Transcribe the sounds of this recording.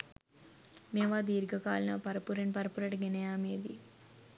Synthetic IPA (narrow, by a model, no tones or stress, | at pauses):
meːʋaːd̪iːɾɡɐkaːlinɐpɐɾɐpuɾeɳpɐɾpuɾɐʈɡenejaːmeːd̪ḭ